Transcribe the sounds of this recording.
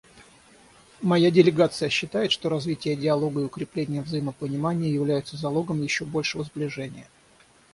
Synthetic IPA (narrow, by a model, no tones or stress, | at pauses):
mɐjadʲɪlʲɪɡat̪sɨjəɕːɪt̪ajɪt̪ʂt̪oɾɐzvʲitʲɪjədʲɪɐlˠo̞ɡəɪʊkɾʲɪplʲenʲɪjəvzɐjiməpənʲɪmanʲɪjəjɪvlʲæjʊt̪səzɐlˠo̞ɡəmjɪɕːo̞bo̞lʲʂɨvəzblʲɪʐɛnʲɪ̰jə